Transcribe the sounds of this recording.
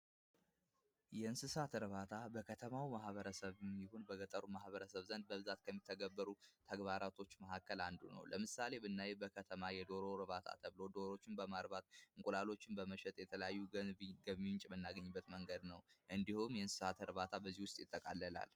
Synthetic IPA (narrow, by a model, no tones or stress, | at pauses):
jɛɨnsɨsat̪ɾɨβat̪ʰabəkʰət̪ʰəmawimahβəɾəsəβɛmːihonbəɡət̪ʼəɾumahβəɾəsəβzənd̪̚bəβɨzat̪kʰəmːit̪ʰːəɡəbːəɾut̪ʰəɡβaɾat̪ʰo̞t͡ʃːməhakːəland̪ṵnə̰wləmɨsale̞bɨnːajɛbəkʰət̪ʰəmajɛd̪o̞ɾo̞ɾɨβat̪ʰa̰t̪ʰəβɨlo̞d̪o̞ɾo̞t͡ʃːɪnbəmaɾbat̪ɨŋkʼulalo̞t͡ʃːɪnbəməʃɛt̪ʼjɛt̪ʰələjajːuɡəβmint͡ʃʼmɨnːaɡəɲːɪbːət̪məŋɡəd̪nəwʔɨnd̪ihumjɛɨnsɨ̥sat̪ɾɨβat̪ʰabəzihwʊst̪ʼjɪt̪ʼːəkʼalːəla̰l